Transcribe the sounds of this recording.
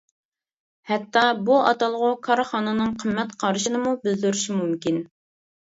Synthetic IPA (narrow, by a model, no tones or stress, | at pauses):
hɛt̪ʰːɑbuʔɑ̰t̪ɑlˠʁʊkʰɑɾχɑːnɨnɨŋqʰəmːɛt̪qʰɑɾɨʃinɨmubɪld̪yɾyʃimumkʲin